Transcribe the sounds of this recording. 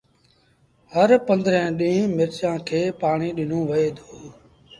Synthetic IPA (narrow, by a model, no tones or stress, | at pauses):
həɾpə̃nd̪ɾɛ̃ːɗĩːmɪɾt͡ʃãːkʰeːpaːɳiːɗɪn̤õːʋɪeːd̪ʰoː